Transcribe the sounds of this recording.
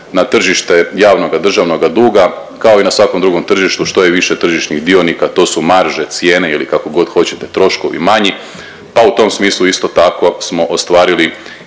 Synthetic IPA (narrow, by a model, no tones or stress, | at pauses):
nat̪r̩ʒiʃt̪e̞jaːʋno̞ɡad̪r̩ʒaʋno̞ɡad̪uːɡa | kao̞inasʋako̞md̪ɾuɡo̞mt̪r̩ʒiʃt̪uʃt̪o̞jeʋiʃe̞t̪r̩ʒiʃniɣd̪ionikat̪oːsumaɾʒet̪sje̞ːneilikako̞ɡo̞d̪xo̞t͡ɕet̪e̞t̪ɾo̞ʃko̞̰ʋḭmaɲi | paut̪o̞ːmsmiːslˠuist̪o̞t̪ako̞smo̞ʔost̪ʋaːɾili